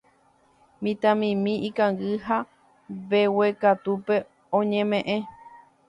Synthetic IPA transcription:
mĩt̪ãmĩmĩʔikãŋɡɨɦa | βewekat̪upe̞ | õɲẽmẽʔẽ

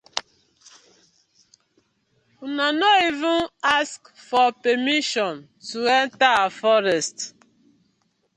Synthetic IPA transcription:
unanɔivũnask | fɔpɛmiʃɔ̃n | tuɛ̃ntaafɔɾɛst

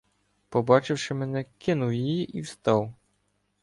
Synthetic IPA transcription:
pɔbɑt͡ʃɪwʂɪmɛnɛkɪnʊwjijiʔiwst̪ɑw

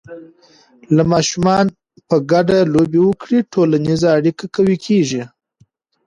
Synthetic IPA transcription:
lamɑʃumɑn | pəɡaɖalobewəkɽiʈʰolanizaːɽikakawikʰeʒi

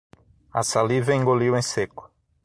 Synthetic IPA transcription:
a̰salivɐẽŋɡoliwẽsekʊ̥

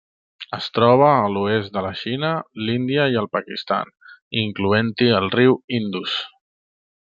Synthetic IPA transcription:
əst̪ɾɔβ̞əːluezd̪ələʃinəlind̪iəiəlˠpəkist̪a̰n | iŋkluent̪iəlˠriwind̪us

